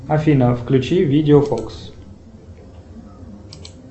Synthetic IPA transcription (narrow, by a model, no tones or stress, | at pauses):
ɐfʲinəfklʲʉt͡ɕivʲidʲɪofoks